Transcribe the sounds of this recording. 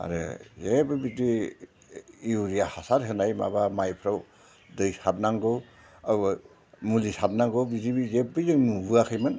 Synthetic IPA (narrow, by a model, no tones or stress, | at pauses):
a̰ɾɯ̰zebɯbidi | wɾijahasaɾɦɯnajma̰bamajpʰɾaw | dɯjsat̚naŋɡɯw | a | mulisat̚naŋɡɯwbizibizep̚bɯjzɯŋmubɯakʰɯjmɯn